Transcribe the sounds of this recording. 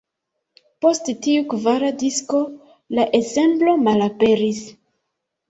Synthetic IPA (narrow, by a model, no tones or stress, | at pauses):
po̞sttiukvaɾadisko̞ | laʔe̞ze̞mblo̞malape̞ɾis